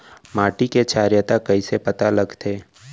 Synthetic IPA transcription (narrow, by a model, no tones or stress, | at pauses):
maːʈiket͡ʃaːɾjət̪akɐisepɐt̪alɐɡt̪ʰeː